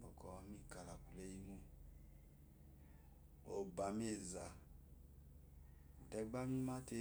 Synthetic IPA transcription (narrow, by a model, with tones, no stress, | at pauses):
bɔ˨kɔ˨wa˨mi˦˨ka˨la˨ku˨le˦ji˦nu˦ | o˨ba˨m˦e˦˨za˨ | dɛ˨˦ɡ͡ba˦mi˦ma˦te˦